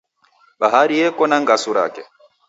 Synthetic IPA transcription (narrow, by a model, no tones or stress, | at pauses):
baɦaɾijɛkɔnaŋɡasuɾa̰kɛ